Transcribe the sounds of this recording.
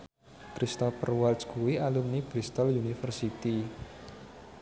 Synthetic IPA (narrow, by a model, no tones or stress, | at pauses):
kɾist̪ɔfərwalsɡuwialumnib̥ɾist̪ɔlunifərsit̪i